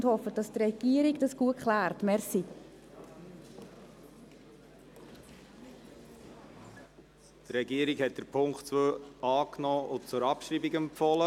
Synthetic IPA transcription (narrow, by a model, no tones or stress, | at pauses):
ndhɔfəd̥ɑstrɛɡ̥iəɾiɡd̥ɑsɡ̥uəkχlæːɾtmɛɾsi | t̪rɛɡiəɾikhɛt̚d̥̪əɾpʰʊŋkχtt͡søɑːknɔːʊt͡sʊɾɑpʃɾiːbiɡɛmpfɔlə